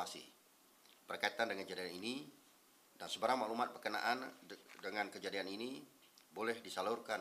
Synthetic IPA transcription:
asḭ | pərkait̪andəŋand͡ʒadianini | dansəbəɾaŋmaʔlumat̪̚pərkəna̰ʔandəŋankəd͡ʒadianini | bolɛhdisalurka

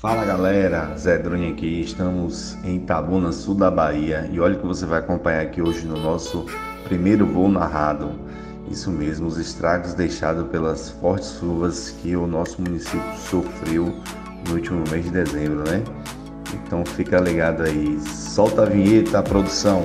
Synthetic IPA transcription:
falɐɡalɛɾɐzɛd̪ɾõɲakiɪʃt̪ɐ̃mʊz | ẽj̃t̪abunɐsuwd̪ɐbaiɐɪɔʎɐkɪvosevajakõpɐ̃ɲaɾakioʒɪnʊnɔsʊ | pɾimejɾʊvonaɦad̪ʊ | ḭsʊmezmʊʊzɪʃt̪ɾaɡʊzd̪ejʃa̰d̪ʊpelɐsfɔht͡ʃɪ̥zʃuvɐskɪʊnɔsʊmũnisipjʊsofɾiw | nʊuwt͡ʃimʊmezd͡ʒɪd̪ezẽbɾʊnɛ | ḛ̃t̪ɐ̃w̃fikɐaliɡad̪ʊaisɔwt̪ɐviɲet̪ɐapɾod̪usɐ̃w̃

